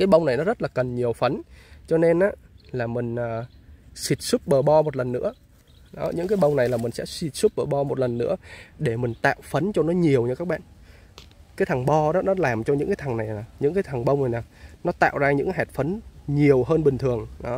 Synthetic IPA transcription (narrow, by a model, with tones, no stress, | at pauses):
kaː˨˦jɓə˧wŋ͡mna˨˩jnɔ˨˦zə˦˥t̚laː˨˩kə˨˩nɲi˨˩əwfə˨˦nt͡ɕɔ˧ne˧nʔaː˨˦ | laː˨˩mï˨˩ŋ̟əː˨˩si˨˩t̚su˦˥p̚ɓəː˨˩ɓɔ˧m˨˩t̚lə˨˩nːɨ̰˧˥ə | ɗɔ˨˦ɲɨ̰˧˥ŋkaː˨˦jɓə˧wŋ͡mna˨˩jlaː˨˩mï̟˨˩sɛ̰˧˥si˨˩t̚su˦˥p̚ɓəː˨˩ɓɔ˧mo˨˩t̚lə˨˩nːɨ̰˧˥əɗe˧˩mï˨˩ŋ̟t̪a̰ː˧˨wfə˨˦nt͡ɕɔ˧nɔ˨˦ɲi˨˩əwt͡ɕɔ˧kaː˦˥k̚ɓa̰ː˧˨n | kaː˨˦jt̪ʰa˨˩ŋɓɔ˧ɗɔ˨˦nɔ˨˦laː˨˩mt͡ɕɔ˧ɲɨ̰˧˥ŋkaː˨˦jt̪ʰa˨˩ŋna˨˩jaː˨˩ɲɨ̰˧˥ŋk̬aː˨˦jt̪ʰa˨˩ŋɓə˧ŋ͡mna˨˩jnaː˨˩nɔ˨˦t̪a̰ː˧˨wzaː˧ɲɨ̰˧˥ŋ˦ɦɛ˨˩t̚fə˨˦nɲi˨˩əwɦəː˧nɓï˨˩ŋ̟t̪ʰɨ˨˩əŋɗɔ˨˦